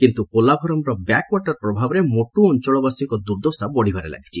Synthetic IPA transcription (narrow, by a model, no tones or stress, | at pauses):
kint̪ukolabʱɔɾɔmɾɔbakwaʈɔɾpɾɔbʱabɔɾemoʈuɔnt͡ʃɔɭɔbasiŋkɔd̪uɾd̪ɔsabɔɽibʱaɾḛlʔa̰ɡʱi̥t͡ʃʰi